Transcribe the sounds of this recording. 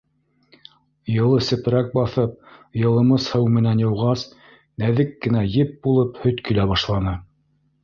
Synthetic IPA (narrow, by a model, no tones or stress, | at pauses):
jɤ̆lˠɤsɘ̆p̆ɾæk̚bɑθɤp̚jɤ̆lˠɤ̆mɤshɤwmɘ̆nænjɤ̆wʁɑs | næðɘkːɘ̆næjɘp̚bulˠɤphɵt̪kɵ̆læβɑʃlˠɑnɤ